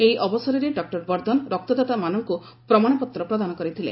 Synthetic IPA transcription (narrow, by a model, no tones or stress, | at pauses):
ejʔɔbɔsɔɾɔɾeɖɔk̚ʈɔɾbɔɾd̪ɔnɾɔk̚t̪ɔd̪at̪amanɔŋku | pɾɔmaɽ̃ɔpɔt̪ɾɔpɾɔd̪anɔkɔɾit̪ʰilḛ̃